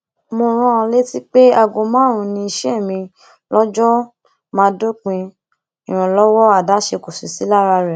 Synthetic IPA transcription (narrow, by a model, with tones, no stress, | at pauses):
mo˧ɾ̃ã˦˧le˦ti˦k͡pe˦a˧ɡõ˧mãː˦˨ɾ̃ũ˧nĩ˧i˧ʃɛ˦˨mĩ˧ | lɔ˦d͡ʒɔ˦ | mãː˦do˦k͡pĩ˧ | i˨ɾ̃ã˨lɔ˦wɔ˦a˦˨da˨˦ʃe˧ko˨si˨si˨˦la˦ɾa˧ɾɛ˨